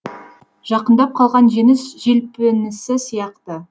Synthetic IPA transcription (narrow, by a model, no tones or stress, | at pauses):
ʒ̥ɑqənd̪ɑp̚qʰɑlˠʁɑnʒenɪsʒelpenɪsɪsijɑqt̪ə